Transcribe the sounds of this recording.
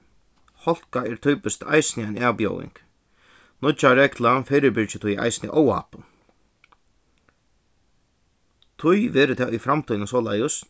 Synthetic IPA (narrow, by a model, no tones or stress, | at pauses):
hɔl̥kaɛɾt̪ʰɔːpɪst̪a̰jsnɪajnaːʋpjɔ̰ːwɪ̰ŋk | nʊt͡ʃaɾɛklafejɾɪbɪɹt͡ʃɪt̪ʰʊjʔa̰jsnɪ̰ʔɔwa̰ːpʊ | t̪ʰʊjʋɛːɾɪt̪ʰɛːʔʊjfɾamt̪ʰɔjnəsɔːla̰jəs